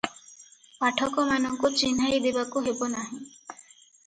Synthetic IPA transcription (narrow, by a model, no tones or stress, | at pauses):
paʈʰɔkɔmanɔŋkut͡ʃinajd̪ebakuɦebɔnaɦĩ